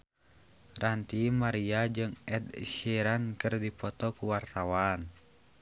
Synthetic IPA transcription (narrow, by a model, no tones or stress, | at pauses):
rant̪imaɾiad͡ʒɨŋɛd̪ʃiɾankɨrdipɔt̪ɔkuwart̪awan